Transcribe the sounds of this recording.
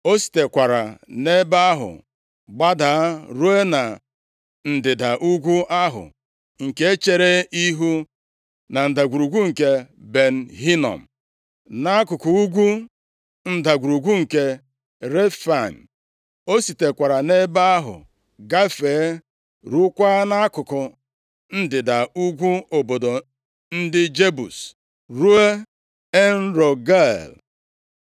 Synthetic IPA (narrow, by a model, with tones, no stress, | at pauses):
o˦si̥˨te˨kʷa˨ɾa˨ne˦ba˦ɦʊ̰˨ | ɡ͡ba˦da˨a˦ɾu˦e˦na˨ | n̩˨dɪ˨da˨ʔu˦ɡʷu˦ʔa˦ɦʊ̰˨ | ŋ̩˨ke˦e˦t͡ʃe˦ɾe˦i˦ɦu˦ | na˨n̩˨da˨ɡʷu˨ɾu˨ɡʷu˦ŋ̩˨ke˦be˨n̩˨ɦi˦nɔ̰˨m̩˨ | na˦a˦kʊ˨kʊ˨u˦ɡʷu˦ | n̩˦˨da˨ɡʷu˨ɾu˨ɡʷu˦ŋ̩˨ke˦ | ɾe˦fa˨n̩˨ | o˦si˨te˨kʷa˨ɾa˨ne˦ba˦a˦ɦʊ̰˨ | ɡa˦feː˨˦ | ɾu˦kʷa˦na˦kʊ˨kʊ˨ | n̩˦dɪ˨da˨u˦ɡʷu˦o˨bo˨do˨ | n̩˦dɪ˦d͡ʒe˦bṵ˨s | ɾu˦e˦ | e˦n̩˦ɾo˨ɡa˦˨l